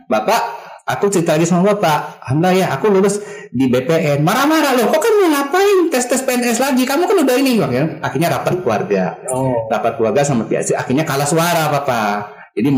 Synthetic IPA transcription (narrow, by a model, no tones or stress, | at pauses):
bapaʔakut͡ʃəɾit̪alaɡisamabapaʔɦamlajaakululʊs | dibepeʔɛnmaɾamaɾalʊhkɔkanməŋapaɪnt̪ɛst̪ɛspeɛnɛslaɡikamukanudahinɪhakakiɲaɾapat̪̚klua̰rɡaɔrapat̪̚kluarɡasamapia̰sia̰kirɲakalahsuaɾapapa | d͡ʒadi